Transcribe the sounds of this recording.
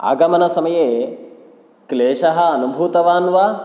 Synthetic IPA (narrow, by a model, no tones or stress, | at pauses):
a̰ːɡɐmɐnɐsɐmɐjeː | kleːʂɐɦɐ̆ɐnubʱuːt̪ɐʋaːnʋɐ